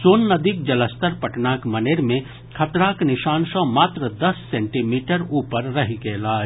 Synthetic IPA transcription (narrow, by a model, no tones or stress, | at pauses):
soːnːɐd̪ik̚d͡ʒɐləst̪əɾpɐʈnaːkmɐneːɾmẽ | kʰɐt̪ɾaːknɪʃaːnsɔ̃maːt̪ɾəd̪ɐsːẽːɳʈimiːʈəɾuːpəɾːɐɦikeːlaː